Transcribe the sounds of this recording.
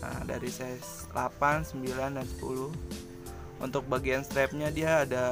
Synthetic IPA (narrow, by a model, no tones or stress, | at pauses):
ə̰da̰ɾisɛs | la̰pansəmbilandansə̥pṵlʊh | ṵnt̪ʊk̚baɡianst̪ɾɛp̚ɲadiaːda